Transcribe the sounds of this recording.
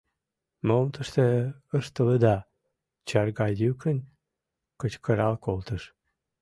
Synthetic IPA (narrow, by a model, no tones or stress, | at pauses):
momt̪əʃt̪eəʃt̪ələd̪ɑ | t͡ɕɑrɡɑdykənʲ | kət͡ɕkʰəɾɑlkolt̪əʃ